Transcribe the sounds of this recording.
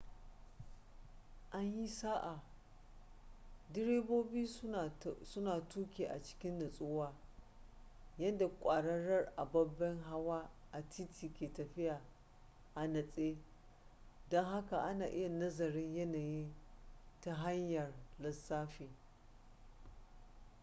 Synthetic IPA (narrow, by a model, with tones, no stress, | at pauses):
ʔa˦ɲji˦saː˦ʔa˨ | dɪ˦ɽeː˦boː˦biː˦˨sʊ˦naː˨tuː˦kʲeː˨ʔa̰˨t͡ʃɪ̥˦kʲɪ˦nːɐ˨sʼʊː˦waː˦ | jɐ˦nda˨kʷʼaː˨ɽɐ˦ɽɐ˦rʔa˨bɐ˦bːɐ˦ŋɦa˦waː˦ʔa˨tʰi˦tʰiː˨kʲeː˨tɐ˨ɸɪ˦ja˨ | ʔa˨nɐ˨sʼeː˦ | dɔ˦ŋɦa˦ka˨ʔa˦naː˨ʔɪ˦ja˨nɐ˦zɐ˨ɾɪ˦ɲjɐ˦naː˨ji˦nta˦ɦa˦ɲjɐ˨rlɐ˨sːaː˦ɸeː˨